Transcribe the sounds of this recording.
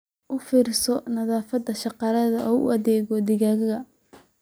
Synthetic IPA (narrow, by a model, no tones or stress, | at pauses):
ʔʊfiːrɪsɔnɐðaːfɐd̪ɐʃɑqɑlɐðɐʔɔːʊ̰ʔɐðɛːɣɔd̪ɪɣaːɣɐɣɐ